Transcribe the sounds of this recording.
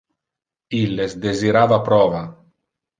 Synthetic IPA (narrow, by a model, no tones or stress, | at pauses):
ilːesd̪eziɾaːvapɾɔːva